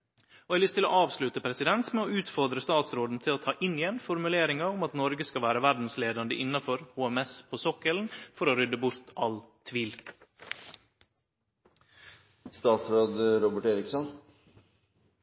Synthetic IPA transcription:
oːɛɪlʏst̪ʰɪlo̰ːʔɑːʋslʉt̪əpʰɾɛsɪd̪ɛnt̪mɛoːʉːt̪fɔɾd̪ɾəst̪ɑːt̪sɾoːd̪n̩t̪ʰɪloːt̪ʰɑːʔɪnɪjɛnfɔɾmʉleːɾɪŋɑʊmɑt̪nɔɾɡəskɑʋæːɾəʋæɾd̪n̩sleːd̪ɑnd̪əʔɪnːɑfɔɾhuːɛmɛspʰoːsɔkəln̩fɔɾoːɾʏd̪əbʊɾt̪ɑlt̪ʰʋiːl | st̪ɑːt̪sɾoːd̪ɾɔbəʈeːɾɪksɔn

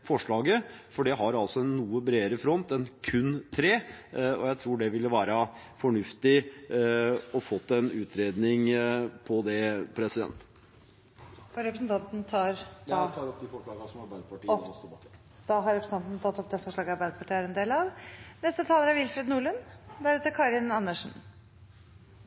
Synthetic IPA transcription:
fɔʂɭɑːɡəfɔɖɛɦɑɾɑlsɔɛnːuːəbɾeːəɾəfɾɔnt̪ɛnkʰʉnːt̪ʰɾeːɔ̰jæɪt̪ʰɾuːɖɛʋɪlːəʋæːɾɑ | fɔɳʉft̪ɪ | ɔfɔt̪ːɛnʉːt̪ʰɾeːd̪nɪŋpʰɔd̪ɛpʰɾɛsɪd̪ɛ̰nt̪ | ɔɾɛpɾəsnt̪ʰɑnt̪n̩t̪ʰɑːɾt̪ɑːɾɔp̚ːd̪ɪfɔʂlɑːɡsɔmɑɾbæɪd̪əpɑʈiːɔst̪oː | d̪̥ɑɦɑɾɛpɾsn̩ɑnt̪nət̪ʰɑt̪ːɔp̚d̪ɛfɔʂɭɑːɡɑɾbæɪd̪əpʰɑʈʰiːæɾɛnd̪eːlɑʋnɛst̪ət̪ʰɑːləɾæɾʋɪlfɾɛd̪nuːɭʉnd̪æɾɛt̪əkʰɑɾɪnɑnːəʂn̩

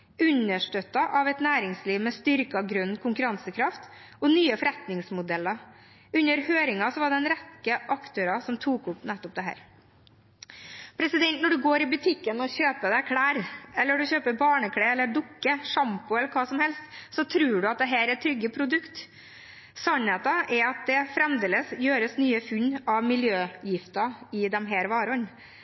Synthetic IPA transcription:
ʉnəʂʈœt̪ːɑʔɑʋɛt̪næːɾɪŋsliːʋmɛst̪ʏɾkəɑɡɾʉnːkʰʊŋkʉɾɑnsəkʰɾɑft̪ | ɔnyːəfɔɾɛt̪nɪŋsmʊd̪ɛlːɑ | ʉnːəɾhøːɾɪŋɑsɔʋɑɖɛɛnɾɛtːəʔɑkt̪ʰøːɾɑsɔmt̪ʰuːkʊpnɛt̪ːɔp̚d̪ɛɦæ̰ːɾ | pʰɾɛsɪd̪ɛnt̪nɔɖʉɡoːɾɪbʉt̪ʰɪkːənɔçøːpəd̪ækʰɽæːɾɛlːəɖʉçøːpəɾbɑːɳəkʰɽeːɛlːəɖʊkːəʂɑmpʊɛlːəɾkʰɑːsɔmhɛlst̪sɔt̪ʰɾʉːɖʉɑt̪̚d̪ɛɦæːɾɛt̪ʰɾʏɡːəpʰɾʊd̪ʉkt̪ | sɔnheːt̪ːɑʔɛɾɑt̪̚d̪ɛfɾɛmd̪eːləsjøːɾəsnyːəfʉɲːɑʋmɪljøːjɪft̪ɑɪd̪ɛmɦæːɾʋɑːɾəɔɲː

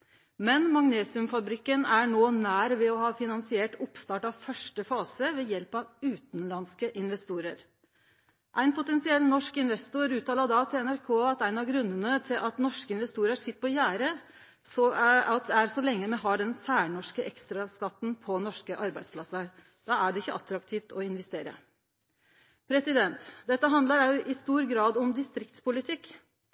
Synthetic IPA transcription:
mɛnmɑŋneːsɪʉmfɑbɾɪkːənæɳoːnæːɾʋɛɔɦɑːfɪnɑnsɪeːʈʊpst̪ɑːʈɑʋfœʂʈəfɑːsəʋɛjɛlpɑʋʉːt̪nlɑnskəʔɪnʋɛst̪uːɾəɾ | ʔæɪnpʰʊt̪ɛnsɪɛlːnɔʂkɪnʋɛst̪ʊɾʉːt̪ʰɑːlɑd̪ɑt̪ʰɪlɛnæɾkʰoːɑt̪æɪnɑɡɾʉnːənət̪ʰɪlʔɑt̪nɔʂkəɪnʋɛst̪uːɾəsɪt̪ːə̥pʰɔjæːɾə | sɔɑt̪̚æɾsɔlɛŋːəmɛɦɑɖɛnsæːɳɔʂkəʔɛkst̪ɾɑskɑt̪ːn̩pʰɔnɔʂkəʔɑɾbæɪspʰlɑsːɑ | d̪ɑːæɖɛɪçːəʔɑt̪ɾɑkt̪ʰiːft̪ʰɔɪnʋɛst̪eːɾə̰ | pʰɾɛsɪd̪ɛnt̪d̪ɛt̪ːəɦɑnd̪ləɾæʔɪst̪uːɾɡɾɑːd̪ʊmd̪ɪst̪ɾɪkt̪spʊlɪt̪ʰɪkː

